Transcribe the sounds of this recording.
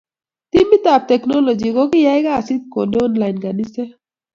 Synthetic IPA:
t̪i˦mbi˦t̪a˨p̚t̪e˨knɔ˦lo˨d͡ʒi˨ko˦ki˦ja˦jɡaː˦˨si˦ko˨n˦ɔ˦nla˨jnɡa˨ni˦se˦

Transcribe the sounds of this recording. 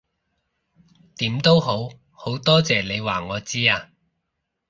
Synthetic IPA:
t̪iː˨˥mt̪o˥wɦo˨˥w | ho˨˥wt̪ɔː˥t͡sɛː˨˩le˨˧jwaː˨˩ŋɔː˨˧t͡siː˥aː˧

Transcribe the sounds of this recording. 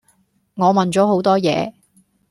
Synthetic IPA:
ŋɔː˨˧mɐ˨nt͡sɔː˨˥ɦo˨˥wt̪ɔː˥jɛ̰ː˨˧

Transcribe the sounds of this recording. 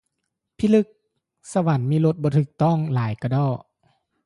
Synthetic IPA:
pʰiː˧˨lɯ˧˩k̚ | sa˧wa˨˦nmiː˧˥˨lo˧t̪̚bɔː˧˦t̪ʰɯː˨˩k̚t̪ɔ˥˩ŋlaː˨˩˦jka˧dɔː˧˩

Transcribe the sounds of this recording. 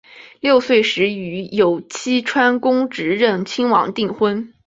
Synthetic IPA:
ljo˥˧ʊswe˥˩ɪʂɻ̩˧˥y˧˥jo˨˩ʊt͡ɕʰi˥ʈ͡ʂʰwa˥nkʊ˥ŋʈ͡ʂɻ̩˧˥ɻə˥˩nt͡ɕʰi˥ŋwɑ̰˨˧˥ŋt̪i˥˩ŋxwə˥n

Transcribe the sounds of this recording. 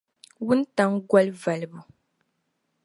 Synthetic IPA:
wu˦n˦ta˨ŋɡwa˦lva˨lbu˨

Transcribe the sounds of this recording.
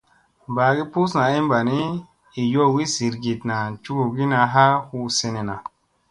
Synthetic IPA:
baː˨ɡi˦pu˦sna˨i˦mba˨ni˦ | i˨jo˦˨wi˦si˨ɾɡi˨tna˨t͡ʃu˦ɡu˨ɡi˦na˧˨ɦa˦hu˧˦se˧ne˨na˨

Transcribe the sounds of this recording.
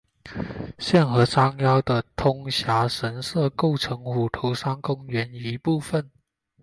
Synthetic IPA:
ɕjɛ˥˩nxɤ˧˥ʂɑ˥ŋjɑ˥ʊd̪ə˨t̪ʰʊ˥ŋɕja˧˥ʂə˧˦nsɤ˥˧ko˥˩ʊʈ͡ʂʰɤ˧˥ŋu˨˩t̪ʰo˧˥ʊʂɑ˥ŋkʊ˥ŋɥɛ˨˧˥ni˧˦pu˥˨˩fə˨˩n

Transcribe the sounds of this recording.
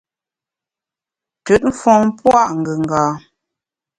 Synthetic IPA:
tʉ˨˦t̚m̩˦fɔ̃˨ŋpwa˦˨ʔŋ̩˨ɡə˨ŋ˨ɡaː˨

